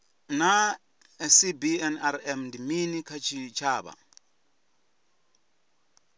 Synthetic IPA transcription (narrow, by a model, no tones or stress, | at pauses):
na | ɛsibiɛnaɾɛmndiminikʰat͡ʃʰit͡ʃʰaːβa̰